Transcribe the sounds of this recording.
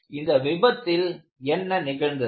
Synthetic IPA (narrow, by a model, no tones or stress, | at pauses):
ɪnd̪ɐʋɪbɐt̪ːɪl | ɛnːɐnɪɣɐɭnd̪ɐ